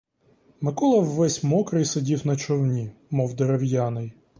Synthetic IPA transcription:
mɪkɔlˠɐwːɛsʲmɔkɾɐjsɐdʲiwnɐt͡ʃɔwnʲimɔwd̪eɾɐwjanɪj

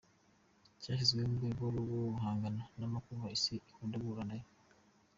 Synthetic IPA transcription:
caːʃizɡwemuɡeːβoloβouɦaːŋɡananamakuβaisiikoːndaβuɾanajo

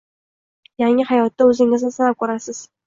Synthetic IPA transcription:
jaŋɪhajɒt̪ːaɵzɪŋɪznɪsanap̚kɵɾasɪz̥

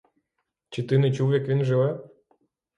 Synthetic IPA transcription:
t͡ʃit̪ɪnɪt͡ʃuwjɐkʋʲinʒɨʋɛ

